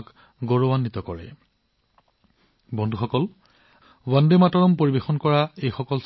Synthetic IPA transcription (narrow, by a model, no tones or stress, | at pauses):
k | ɡoɹɔwanːit̪ɔkɔɹɛ̰ | bɔndʱuxɔkɔl | wandematɔɹɔmpoɹibexɔnkɔɹaejxɔkɔls